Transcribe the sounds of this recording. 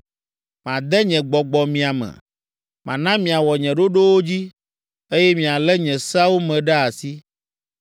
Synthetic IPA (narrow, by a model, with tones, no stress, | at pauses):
mã˨d̪ɛ˦ɲɛ̃˨ɡ͡bɔ˨ɡ͡bɔ˨mĩ˨a˨mɛ̰˨ | mã̰˨nã˦mĩ˨a˨wɔ˨ɲɛ̃˨ɖo˦ɖo˦wo˦d͡ʑi˦ | e˦jɛ˦mĩ˨a˨lɛ˦ɲɛ̃˨sa˦wo˦mɛ̃˨ɖɛ˦a˨si˦